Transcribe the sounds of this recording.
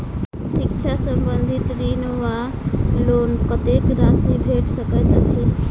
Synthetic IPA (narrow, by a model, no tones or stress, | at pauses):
sɪkt͡ʃʰasəmbənd̪ʱit̪ɾinəʋa | loːnkət̪ekɾasibʱeʈsəkət̪at͡ʃʰi